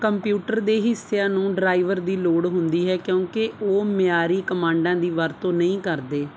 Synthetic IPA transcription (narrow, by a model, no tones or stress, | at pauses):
kəmpjuːʈəɾd̪eːɦɪsːejãːnũːɖɾaːiʋəɾd̪iːloːɽɦʊnd̪iːɦɛːkjõːkeoːmɪjaːɾiːkəmãːɳɖãːd̪iːʋəɾt̪õːnəĩːkəɾd̪eː